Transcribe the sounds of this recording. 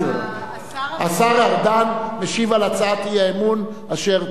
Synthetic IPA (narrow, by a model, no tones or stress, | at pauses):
asaʁaʁd̪anmeʃivalat͡sat̪iaemun | aʃe̞ʁ